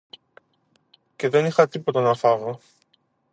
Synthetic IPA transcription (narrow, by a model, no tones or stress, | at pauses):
ce̞ðe̞nixɐt̪ipo̞t̪ɐnɐfɐɣo